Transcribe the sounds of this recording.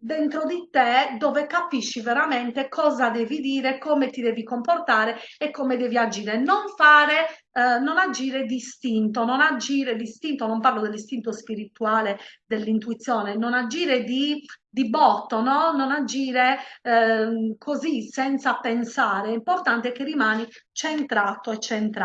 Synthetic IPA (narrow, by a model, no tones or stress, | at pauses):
d̪ɛnt̪ɾod̪it̪ɛd̪ɔːvɛkapiʃːivɛɾamɛnt̪ɛkʰɔːzad̪eːvid̪iːɾɛkɔːmet̪id̪eːvikɔmpɔrt̪aːɾɛɛkːɔmed̪eːviad͡ʒiːɾɛnɔɱfaːɾɛ | nɔnad͡ʒiːɾɛd̪ist̪int̪ɔnɔnad͡ʒiːɾɛd̪ist̪int̪ɔnɔmpaɾrlɔd̪ɛlːist̪int̪ospiɾit̪uaːlɛd̪ɛlːint̪uit̪sːjɔːnɛnɔnad͡ʒiːɾɛd̪id̪ibɔt̪ːɔnɔnːɔnad͡ʒiːɾe | kʰozisɛnt̪sapɛnsaːɾɛimpɔɾt̪ant̪ɛɛkːerːimaːni | t͡ʃɛnt̪ɾat̪oɛt͡ʃːɛnt̪ɾ